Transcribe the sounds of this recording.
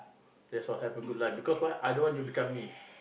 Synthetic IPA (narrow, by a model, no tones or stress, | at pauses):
dɛsɔthɛpə̃ɡudlaɪbikɔswaɪʔajdõnwɔ̃njubikãmːi